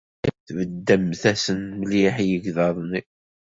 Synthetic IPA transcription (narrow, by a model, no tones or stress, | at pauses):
æθvəd̪ːəmθæsənməliħjəɡðɑðˤni